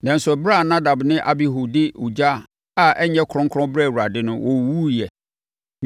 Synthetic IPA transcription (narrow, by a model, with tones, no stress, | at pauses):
nã˨n˨sɛ˨bɾa˦˨nã˦da˨bnɪ̃˦ʔa˨bi˦ɦu˨dɪ˦u˨d͡ʑa˦˨ | a˦ʔɛ˦ɲɛ̃˦kʰɾɔ̃˦ŋkʰɾɔ̃˦bɾɛ˦˨wu˨ɾa˨dɪ˦nʊ̃˦wʔɔ˨wu˦jɛ˨